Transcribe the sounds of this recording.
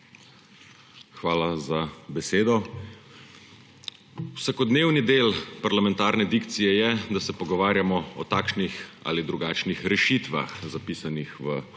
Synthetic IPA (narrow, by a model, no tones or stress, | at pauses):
xʋaːlazabɛseːd̪ɔ | wsakɔd̪neːwnid̪eːlpaɾlamɛ̃nt̪aːɾnɛd̪ikt̪sijɛjɛd̪asɛpɔɡɔʋaːɾjamɔɔt̪aːkʃnixa̰ːlid̪ɾuɡaːt͡ʃnixɾɛʃit̪ʋa̰xzapiːsanixʋə